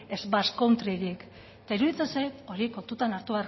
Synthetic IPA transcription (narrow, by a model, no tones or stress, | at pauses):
ezbaskont̪ɾiɣik | t̪aiɾuðit͡sensajt̪o̞ɾiko̞lt̪ut̪anaɾt̪uaɾ